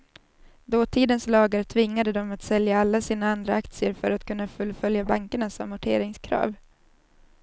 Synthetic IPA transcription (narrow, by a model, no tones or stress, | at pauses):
d̪oːt̪ʰiːd̪ənslɑːɡaɾt̪ʰvɪŋːad̪əd̪ɔmat̪sɛljaalːasiːnaand̪ɾaakt̪sɪəɾfœɾat̪kʰɵnːafɵlːfœljabaŋkəɳasɔmːʊʈʰḛːɾɪŋskʰɾɑ̰ːv